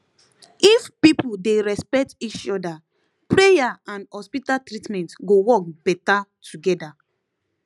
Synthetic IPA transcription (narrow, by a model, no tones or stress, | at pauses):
ifpipudeɹɛspɛk̚tit͡ʃɔda | pɹejaãnhɔspitaltɹitmɛ̃ntɡowɔk̚bɛtatʰuɡɛda